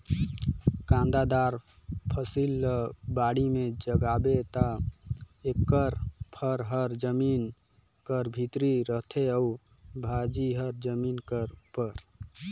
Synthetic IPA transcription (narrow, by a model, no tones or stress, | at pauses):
kãnd̪ad̪aɾ | pʰəsilːəbaɽimed͡ʒəɡabet̪a | ekːəɾpʰəɾɦəɾd͡ʒəmin | kəɾbʱit̪ɾiɾət̪ʰeəubʱad͡ʒiɦəɾd͡ʒəminkəɾpəɾ